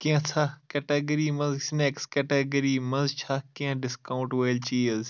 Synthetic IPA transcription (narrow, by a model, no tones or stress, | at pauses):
kiãt͡sʰakɛʈeːɡəɾiːmɐ̃zsneːkskɛʈeɡəɾimɐ̃nzt͡ʃʰakiãɖɪskaʊ̃ɳʈʋeːlt͡ʃiːɐz